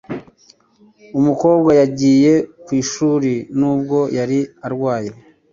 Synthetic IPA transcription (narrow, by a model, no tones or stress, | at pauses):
umuko̞ːbɡajaɟiːje̞kwiːʃuːɾinuːbɡo̞jaɾiaɾɡwaːje